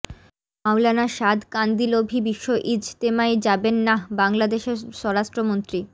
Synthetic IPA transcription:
mawlanaʃad̪kand̪ilobʱibiʃːoʔid͡ʑt̪emaed͡ʑabenːabaŋlad̪eʃeʃɔɾaʃʈɾomont̪ɾi

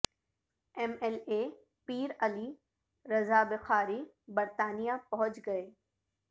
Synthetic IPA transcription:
ɛmɛleː | piːɾɐli | ɾɐzaːbɪxaːɾi | bɐɾt̪aːnijapɐɦʊ̃t͡ʃɡɐeː

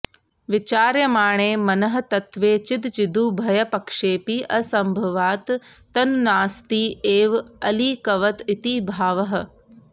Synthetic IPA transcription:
ʋɪt͡ʃaːɾjɐmaːɳ̃eːmɐnɐɦɐ̆t̪ɐt̪ʋeːt͡ʃɪt̪t͡ʃɪd̪uːbʱɐjɐpɐkʂeːpiʔɐsɐmbʱɐʋaːt̪ː | ɐnnaːst̪iːeːʋɐliːkɐʋɐt̪it̪iːbʱaːʋɐɦɐ̆

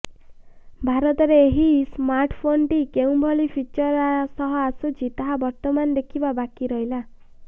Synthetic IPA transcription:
bʱaɾɔt̪ɔɾeːɦismaɾʈʰpʰonʈikeũbʱɔɭipʰit͡ʃɔɾasɔɦɔasut͡ʃit̪aɦabɔɾt̪ɔmand̪ekʰibabakiɾɔɦila

